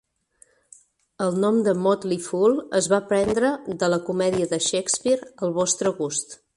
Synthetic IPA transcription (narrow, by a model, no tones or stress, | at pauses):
əlˠnɔmd̪əmɔt̪lifulˠəzβapɾɛnd̪ɾəðələkumɛðiəðəʃɛkspiɾəlˠβɔst̪ɾəɣust̪